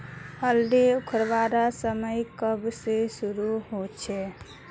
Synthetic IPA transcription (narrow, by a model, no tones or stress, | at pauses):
həld̪eukʰəɾʋaɾasəməjkəbsesuɾuɦot͡ʃʰɛ